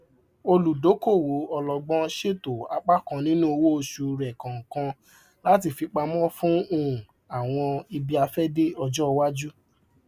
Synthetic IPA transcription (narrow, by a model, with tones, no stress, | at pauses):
o˧lu˨do˨˦ko˦˨wo˨˦ɔ˧lɔ˨ɡ͡bɔ̃˧ʃe˦˨to˨a˨k͡pa˦kã˨nĩ˦nũ˦o˧wo˦o˧ʃu˧ɾɛ˨kã˨ŋ̩˨kã˧ | la˦ti˧fi˧k͡pa˧mɔ̃˦fũ˦ũ˦˨ | a˨w̃ɔ̃˧i˧bi˧a˧fɛ˦de˦ɔ˧d͡ʒɔ˦˧wa˦d͡ʒu˦